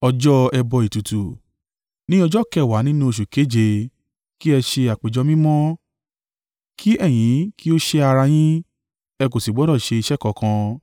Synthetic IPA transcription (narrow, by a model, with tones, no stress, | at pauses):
ɔ˧d͡ʒɔ˦ɛ˧bɔ˧i˨tu˨tu˨ | nĩ˦ɔ˧d͡ʒɔ˦˨kɛ˦˨wa˨˦nĩ˦nũ˦˨ʃ̬u˨ke˨˦d͡ʒe˧ | ki˦ɛ˧ʃe˧a˨k͡pe˨d͡ʒɔ˨˧˦mĩ˦mɔ̃˦ | kʰi˦ʔɛ˦˨j̃ĩ˨˦ki˦o˦ʃe˧a˧ɾa˧j̃ĩ˦ | ɛ˧k̬o˨si˨ɡ͡bɔ˨˦ɾɔ˦˨ʃe˧i˧ʃɛ˦˨kɔ˨kã˧